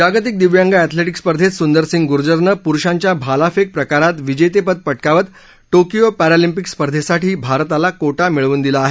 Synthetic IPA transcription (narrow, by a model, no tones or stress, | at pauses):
d͡ʑaɡt̪̬ik̚d̪iʋjãŋɡaɛt̪ʰleʈikspəɾd̪ʱet̪sund̪əɾsiŋɡɡuɾd͡ʑəɾɳəpuɾʂãɲt͡ɕjabʱalafek̚pɾəkaɾat̪ʋid͡ʑet̪̬epəd̪̚pəʈkaʋət̪ | ʈokijopæɾalimpikspəɾd̪ʱesaʈiːbʱaɾt̪alakoʈamiɭʋuːnd̪ilaːɦe